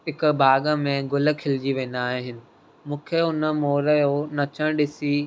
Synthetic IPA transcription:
ɦɪkbʱaːɠə̆mẽɡʊlə̆kʰɪlɪd͡ʑiʋẽːn̆d̪aːɦɪɦɪnɪ̆ | mũːkʰeʊnəmoːɾəjonɐt͡ɕʰəɽ̃ɗɪsi

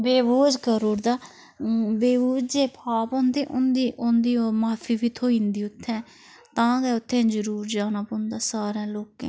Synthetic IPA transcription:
beːboːd͡ʒkəɾoːɾd̪aː | beːbuːd͡ʒd͡ʒeːpʰaːpõːnd̪eːʔʊnd̪iːʔond̪iːomaːpʰiːʋiːt̪ʰoːĩːnd̪iːʊt̪ʰːɛ̃ː | t̪ãːɡ̪eːʊt̪ʰːẽːd͡ʒəɾuːɾd͡ʒaːnaːpõːnd̪aːsaːɾãːloːkḛ̃ː

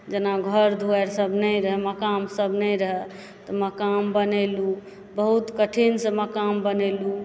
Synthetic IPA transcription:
d͡ʒenaɡʱəɾd̪ʱuɛɾsəbʱnəɾəɦɛməkamsəbʱnɛ̃ɾəɦɛ | t̪ɔməkambənelu | bəɦut̪kəʈʰinsə̃məkambənelu

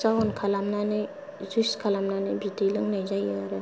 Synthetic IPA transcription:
sawɔnkʰalamnanɯj | zujskʰalamnanɯjbitilɯŋnajzajɯaɾɯ

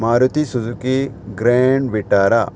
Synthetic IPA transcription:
maːɾut̪isuzuki | ɡɾeɳɖʋiʈaːɾa

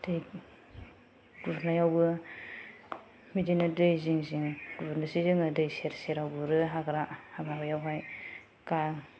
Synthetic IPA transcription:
d̥ɯj | ɡ̥unajawbɯ | midinɯdɯjziŋziŋɡ̥uβɾnasizɯŋɯdɯjseɾseɾawbɯɾɯɦaɡɾahababajawɦaj | ka

